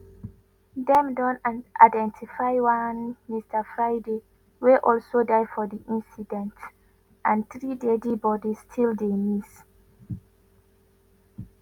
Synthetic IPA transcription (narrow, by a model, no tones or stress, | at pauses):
dɛ̃mdɔ̃nʔa̰ɪdɛ̃ntʰifaɪwãnmistəfɹaɪde | weʔɔlsodaɪfɔðiʔĩnsidɛ̃nt | ʔãnθɹidedibɔdistʰildemis